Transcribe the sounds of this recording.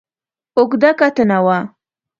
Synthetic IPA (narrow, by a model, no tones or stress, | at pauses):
ʊkd̪akat̪ənawa